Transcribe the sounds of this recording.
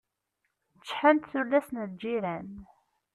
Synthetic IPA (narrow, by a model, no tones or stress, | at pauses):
t͡sːħənt̪θulːæsnəðd͡ʒiɾæn